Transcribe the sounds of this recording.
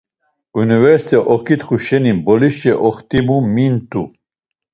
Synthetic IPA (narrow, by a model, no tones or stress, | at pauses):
univɛɾst̪ɛʔɔkʰit̪χuʃɛnibɔliʃɛʔɔχt̪ʼimumint̪ʰʼu